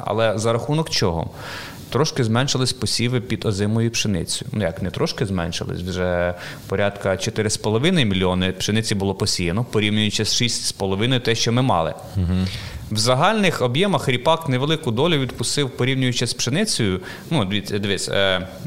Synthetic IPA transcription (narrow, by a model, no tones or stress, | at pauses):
ɐ̰lˠɛzɐɾɐxunɔkt͡ʃɔɦɔ̰ | t̪ɾɔʃkɪzmɛnʃɪlˠɪsʲpɔsʲiʋɪpʲid̪ɔzɪmɔjʊpʃenɪ̰t͡sʲɔjʊnʊjɑkmnɛt̪ɾɔʃkɪzmɛ̰nʃɪ̰lˠɪ̰sʲwʒɛpɔɾʲʔɑt̪kɐt͡ʃɔt̪ɪɾɪspɔlˠɔʋɪnɐjmʲilʲiɔnɪpʃenɪt͡sʲibʊlˠɔpɔsʲijɐnɔpɔɾʲiwnʲʊjʊt͡ʃɛsʃisʲtʲspɔlˠɔʋɪnɔjʊt̪ɛʃt͡ʃɔmɪmɑ̰lˠɪ̰ | ɦwzɐɦɑlʲnɪxɔbjɛmɐxɾʲipɑkneʋelˠɪkʊd̪ɔlʲʊʋʲid̪pʊst̪ɪwpɔɾʲiwnʲʊjʊt͡ʃɛsʲpʃenɪt͡sʲɔjʊ | nud̪ʋʲit͡sʲːɐd̪ʋʲit͡sʲ